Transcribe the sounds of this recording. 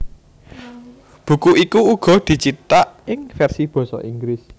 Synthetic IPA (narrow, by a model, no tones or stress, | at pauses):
b̥ṳkuʔikuuɡ̥ɔ̤d̪̥i̤t͡ʃit̪aʔɪŋfɛrsib̥ɔ̤sɔ̰ʔiŋɡɾɪs